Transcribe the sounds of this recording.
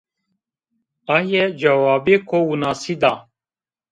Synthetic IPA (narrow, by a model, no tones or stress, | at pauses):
ajed͡ʒɐwaːbeːkoːunaːsid̪aː